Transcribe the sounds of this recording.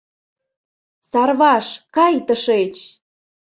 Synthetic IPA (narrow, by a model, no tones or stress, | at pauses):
sɑrβɑʃkɑjt̪əʃet͡ɕ